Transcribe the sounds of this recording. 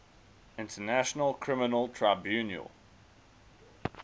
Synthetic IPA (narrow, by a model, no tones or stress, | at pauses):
ɪ̃ntʰənæʃənəlˠkʰɹɪmɪnəlˠtʰɹaɪbjʉːnjə̰lˠ